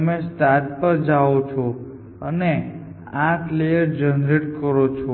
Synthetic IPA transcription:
əmesʈadpəɾd͡ʒaot͡ʃʰo | əne | ãklejəɾd͡ʒənɾeʈkəɾot͡ʃʰo

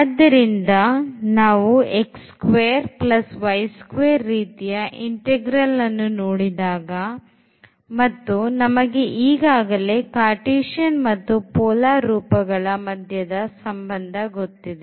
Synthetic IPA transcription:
ɐd̪ːɐɾind̪ɐnaːʋuekskʋeːɐɾplɐsʋɐjskʋeːɾːiːt̪ijɐʔiɳʈeɡɾɐlːɐnːunoːɽid̪aːɡɐ | mɐt̪ːunɐmɐɡe̞ʔiːɡaːɡɐle̞kaːʈiːʂɐnmɐt̪ːupɔːlaːɾuːpɐɡɐɭɐmɐd̪ʱjɐd̪ɐsɐmbɐnd̪ʱɐɡo̞t̪ːid̪e

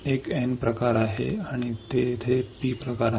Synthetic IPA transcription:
ekenpɾəkaɾaɦḛaɽ̃it̪et̪ʰepiːpɾəkaɾ

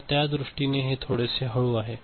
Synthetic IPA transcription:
t̪jad̪ɾuʂʈineɦet̪ʰoɽeseɦəɭuaɦe

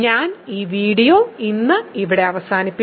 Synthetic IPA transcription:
ɲaːniːʋiːɽijo̞ːinːɨiʋiɽe̞ɐʋɐsaːnipːi

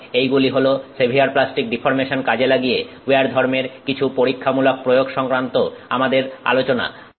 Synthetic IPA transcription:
ejɡuliɦolosebʱiaɾplasʈik̚ɖifʰoɾmeʃonkad͡ʑelaɡije | eaɾd̪ʱɔɾmeɾkit͡ɕʰupoɾikʰːamulok̚pɾojoɡʃɔŋkɾant̪oa̰mad̪eɾa̰lot͡ɕona̰

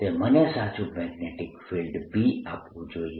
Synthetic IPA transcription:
emənesat͡ʃũmɛɡneʈɪkfilɖbʱiapʋũd͡ʒoi

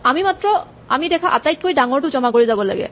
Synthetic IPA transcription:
amimatɹɔ | a̰midɛkʰaʔatajt̚kojdaŋɔɹtʊzɔmakoɹizabɔla̰ɡɛ̰

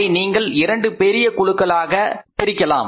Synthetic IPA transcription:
ɪniːŋɡɐɭɪɾɐɳɖɯpɛɾɪjɐkʊɭɯkːɐɭaːɣɐt̪ɪɾɪkːɐla̰ːm

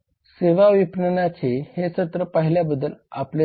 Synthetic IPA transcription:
seʋaʋipnənat͡ɕehesət̪ɾəpəɦiljabəd̪ːəla̰ple

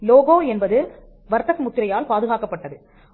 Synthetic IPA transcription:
loːɣoːɛnbɐðɯ | ʋɐɾt̪ːɐsmʊt̪ːɪɾɐjaːlpaːðɯɣaːkɐpːɐʈːɐðɯ

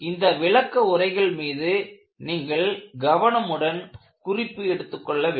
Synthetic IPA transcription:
ɪnd̪ɐʋɪɭɐkːɐʊrɐɪɣɐɭmiːðɯ | niːŋɡɐɭɡɐʋɐɳɐmɯɽɐn | kʊrɪpːɯɛɽɯt̪ːɯkːɔɭːɐʋeː

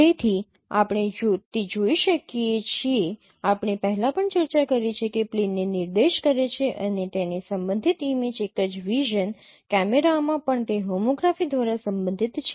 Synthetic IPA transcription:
t̪et̪ʰi | a̰pɳ̃ed͡ʒot̪ed͡ʒoiʃəkiet͡ʃʰie | apɳ̃epəɦɛlãpəɳt͡ʃəɾt͡ʃakəɾet͡ʃʰekeplinːenɪɾd̪eʃkəɾet͡ʃʰeʔənet̪enesəmbənd̪ʱit̪imed͡ʒekəd͡ʒʋiʒən | kɛmeɾamãpəɳt̪eɦomoɡɾafid̪ʱʋaɾasəmbə̃nd̪ʱit̪t͡ʃʰe

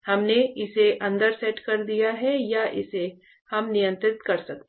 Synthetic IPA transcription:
hɐmneɪseʔɐ̃nd̪əɾsɛʈkɐɾd̪ijaɦɛjaʔɪse | hɐmnɪjə̃nt̪ɾɪt̪kɐɾsɐk̚t̪ː

